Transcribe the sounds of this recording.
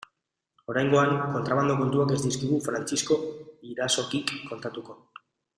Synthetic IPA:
o̞ɾajŋɡo̞aŋko̞nt̪ɾaβand̪o̞ko̞nt̪uake̞zd̪iskiɣ̞ufɾant͡sisko̞iɾaso̞kikːo̞nt̪at̪uko̞

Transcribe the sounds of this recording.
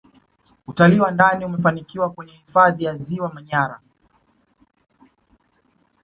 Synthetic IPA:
utaliːwandaniumɛfanikiwakwɛɲɛhifaðijaziwamaɲaɾa̰

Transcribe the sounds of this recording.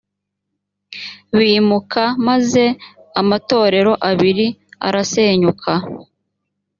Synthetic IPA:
βiːmukʰamaze̞ | amato̞ːɾe̞ɾo̞ʔaβiɾia̰ɾase̞ːɲukʰa

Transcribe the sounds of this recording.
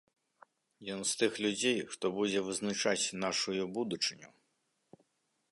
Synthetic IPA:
jɔnst̪ɨxlʲud͡zʲejʂt̪ɔbud͡zʲɛvɨznat͡ʂat͡sʲnaʂujubud̪ut͡ʂɨnʲu

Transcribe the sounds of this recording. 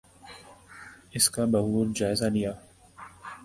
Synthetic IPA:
ɪskabɐɦuːɾd͡ʒaːɪzalɪjaː

